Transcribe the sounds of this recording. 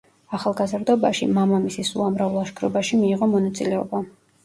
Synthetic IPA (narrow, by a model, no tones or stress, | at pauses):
aχalˠɡazɾd̪ɔbaʃḭmamamisisṵamɾavlˠaʃkʰɾɔbaʃimiːʁɔmɔnat̪sʼilɛɔba